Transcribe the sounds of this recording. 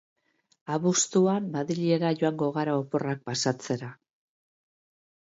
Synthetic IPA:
aβust̪uanːaðɾiʎie̞ɾaʝoaŋɡo̞ɣ̞aɾaopo̞rak̚pasat͡se̞ɾa

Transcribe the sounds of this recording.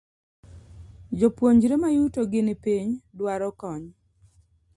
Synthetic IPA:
d͡ʒopwoɲd͡ʒɾemajutoɡɪnɪpiɲdwaɾɔkɔɲ

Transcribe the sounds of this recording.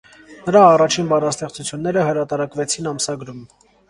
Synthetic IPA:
nəɾɑːrɑt͡ʃʰinbɑrɑst̪ɛχt͡sut͡sʰjunːɛɾəhəɾɑt̪ɑɾɑkvɛt͡sʰin̪ɑmsɑɡɾum

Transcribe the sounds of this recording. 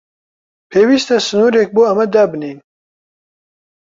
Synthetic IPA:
pʰeːwist̪ɐsɨnuːɾek̚buːɐmɐd̪aːbniːn

